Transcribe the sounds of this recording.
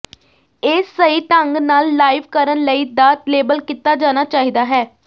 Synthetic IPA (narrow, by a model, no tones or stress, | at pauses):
ɪsːəiːʈəŋɡnaːlːaːɪʋkəɾənləiːd̪aːt̪leːbəlkit̪ːaːd͡ʒaːnaːt͡ʃaːɦiːd̪aːɦɛː